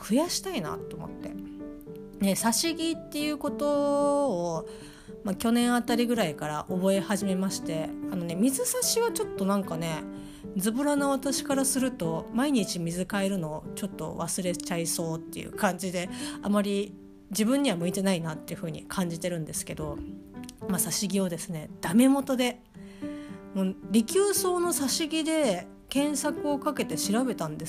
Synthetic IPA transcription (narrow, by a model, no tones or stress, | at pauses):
kɯ̟jaɕi̥t̪aina̰t̪ːo̞ːmo̞̰t̪ːe̞̰ | ne̞saɕiɡʲit̪ːe̞jɯ̟ko̞t̪oː | makʲo̞nẽ̞ɰ̃at̪aɾʲiɡɯ̟ɾaikaɾa̰ʔo̞bo̞e̞haʑime̞maɕi̥t̪e̞ano̞ne̞mʲizɨsaɕiɡat͡ɕo̞t̪ːo̞nãŋkane̞ | d͡zɨbɯ̟ɾanoβat̪aɕi̥kaɾasɨɾɯ̟t̪o̞maiɲ̟it͡ɕimʲizɨkae̞ɾɯ̟no̞ːt͡ɕo̞t̪ːo̞̰βasɨɾe̞t͡ɕaiso̞ːt̪ːe̞̰jɯ̰kʰãɲ̟d͡ʑid̪e̞amaɾʲi | d͡ʑibɯ̟̃ɲ̟ːiβamɯ̟it̪e̞nainat̪ːe̞jiɯ̟ɸɯ̟ːɲ̟ḭkʰãɲ̟d͡ʑit̪e̞ɾɯ̟̃nd̪e̞sɨ̥ke̞d̪o̞ | masaɕiɡʲio̞d̪e̞sɨne̞d̪̥ame̞mo̞t̪o̞d̪e̞ | moɾʲikʲɨːso̞ːno̞saɕiɡʲid̪e̞ | kẽ̞ɰ̃sakɯ̟o̞kake̞t̪e̞ɕiɾabe̞t̪ãnd̪e̞s